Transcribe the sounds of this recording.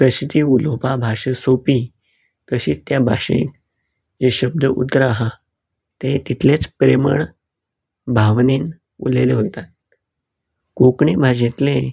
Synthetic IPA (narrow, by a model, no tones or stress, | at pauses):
pəɕt̪iːulopabʱaʂəsopi | t̪əɕiːt̪ːjabʱa̰ʂḛ̃n | d͡ʑeɕəb̚d̪ʱəʔṵt̪ːɾaɦa | t̪et̪it̪ʰlet͡spɾemə̰ɳ | bʱaʋnin | ṵleleɦojt̪at̪̚ | kokɳibʱaɕ̬et̪le